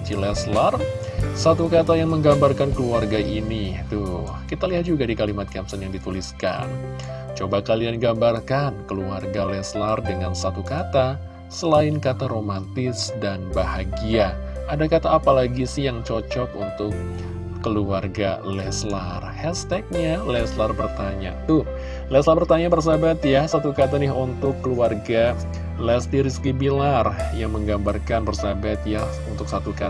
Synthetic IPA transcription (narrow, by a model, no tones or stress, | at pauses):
t͡ʃilɛslarsat̪ukat̪ajaŋməŋɡambarkankəluarɡaʔinit̪ʊhkit̪aliɦat̪̚d͡ʒuɡadikalimat̪̚kɛmsənjaŋdit̪uliska̰nt͡ʃobakalianɡambarkankəluarɡalɛslardəŋansat̪ukat̪a | səlaɪnkat̪aɾomant̪ɪsdanbahaɡia | adakat̪aːpalaɡisɪhjaŋt͡ʃot͡ʃɔkunt̪ʊkː | əluarɡa̰lɛslarhɛst̪ɛk̚ɲalɛslarbərt̪aɲa̰t̪ʊh | lɛslarbərt̪aɲabərs̬abat̪jahsat̪ukat̪anɪɦunt̪ʊkːəluarɡa | lɛst̪iɾiskibilarjaŋməŋɡambarkanbərsabat̪jah | unt̪ʊksat̪uka